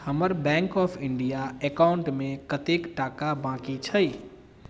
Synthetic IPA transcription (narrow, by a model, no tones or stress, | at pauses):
həməɾbɛ̃ŋkɔpʰɪɳɖijaekaʊɳʈmẽkət̪ekʈakabãkit͡ʃʰəj